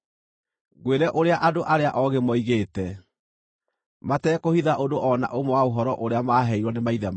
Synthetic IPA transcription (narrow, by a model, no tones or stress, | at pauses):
ɡweɾɛʔoɾeaʔadoʔaɾeaʔɔɣemɔiɣeːtɛ | matɛːkohiðaʔodoʔɔna̰ʔomɔwaoɦɔɾɔʔoɾeamaɦɛiɾwɔnemaiðɛm